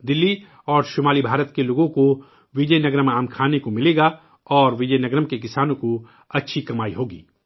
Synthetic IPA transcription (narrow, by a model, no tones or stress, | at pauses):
d̪ɪlːi | ɔːɾʃʊmaːlibʱaːɾət̪keloːɡõko | ʋɪd͡ʒəjnɐɡəɾəmaːmkʰaːnekomɪleːɡa | ɔːɾʋɪd͡ʒəjnɐɡɾəmkek̬ɪsaːnõko | ɐtːʃʰikɐmaːiɦoːɡḭː